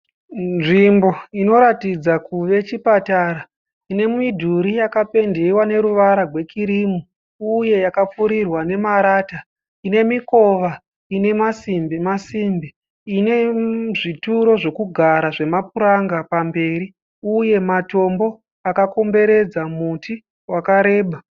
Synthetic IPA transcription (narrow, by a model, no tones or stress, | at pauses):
nʐimbo̞ino̞ɾatid͡zakuʋe̞t͡ʃipataɾa | ine̞muidʱuɾijakape̞ndewane̞ɾuʋaɾarʱwe̞kiɾimu | uje̞jakap͡fuɾirwane̞maɾaːta | ine̞miko̞ʋa | ine̞masimbimasimbi | ine̞ʐituɾo̞ʐe̞kuɡʱaɾaʐe̞mapuɾaŋɡapambe̞ːɾi | uje̞mato̞mbo̞ | akako̞mbe̞ɾe̞d͡zamutʰi | wakaɾe̞ːɓa